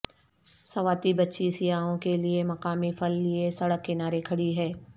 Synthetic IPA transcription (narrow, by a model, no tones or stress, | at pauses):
sɐʋaːt̪ibɐtːʃisɪjaːõkeliemɐqaːmifʰɐlːiesɐɽəkːenaːɾekʰɐɽiɦɛː